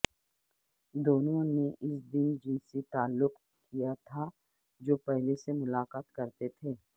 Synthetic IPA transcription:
d̪oːnõneʔɪsd̪ɪnd͡ʒɪnsit̪aːlːʊq | kijat̪ʰa | d͡ʒoːpɛɦlesemʊlaːqaːt̪kɐɾt̪et̪ʰeː

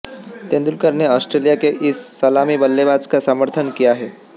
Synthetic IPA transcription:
t̪end̪ulkəɾneɔsʈɾelijakeʔisːəlamiːbəlːebad͡zkasəməɾt̪ʰənkiaɦe

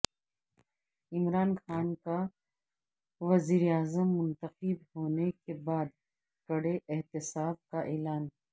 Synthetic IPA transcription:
ɪmɾaːnxaːnka | ʋɐziːɾeaːzəmːʊ̃nt̪əqɪbɦoːnekebaːd̪ | kɐɽeʔɪɦt̪ɪsaːb̚kaʔeːlaːn

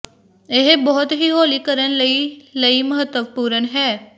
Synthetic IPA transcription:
eɦbɔɦʊt̪ɦiɦoːlikəɾənləiləiməɦət̪wəʋpuːɾənɦɛː

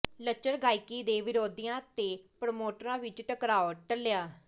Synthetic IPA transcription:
lət͡ʃːəɾɡaːikiːd̪eːʋɪɾoːd̪ijãːt̪eːpɾomoːʈəɾãːʋɪt͡ʃʈəkɾaːoːʈəljaː

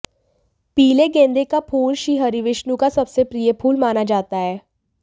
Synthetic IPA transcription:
piːleɡẽːnd̪ekapʰuːlʃiːɦəɾiʋɪʃnũkasɐbsepɾijəpʰuːlmaːnad͡ʒaːt̪aɦɛː

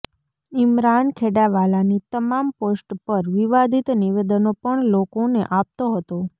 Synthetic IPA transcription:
imɾankʰeɽaʋalanit̪əmamposʈpəɾʋiʋad̪ʱit̪niʋed̪ənopəɳlokonḛʔap̚t̪oɦət̪o

